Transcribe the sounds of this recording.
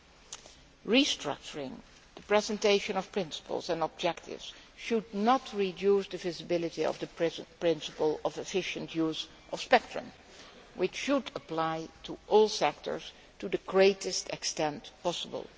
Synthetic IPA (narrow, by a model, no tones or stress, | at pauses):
ɹistɹ̥ʌ̰k̚t͡ʃəɹɪ̃ŋ | ð̥əpɹɛzɛ̃nteɪʃə̃nɔv̥pʰɹ̥ɪ̃nsə̥pə̰lˠzɛ̃nɔb̚d͡ʒɛk̚tʰɪ̰vz̥ʃudⁿnətɹidjusdəvɪzəbɪlˠɨtiɔ̰vðəpɹɪ̃nsəpəlˠɔvɨfɪʃɨ̃ntʰjuz | ʔʌfspɛk̚tɹ̥ə̰̃m | wɪt͡ʃʃudəplaɪtʰuʔɔlˠsɛk̚tʰə̰˞s | tudɨɡɹeɪtɨstɛkstɛ̃ntpɑsəbə̰lˠ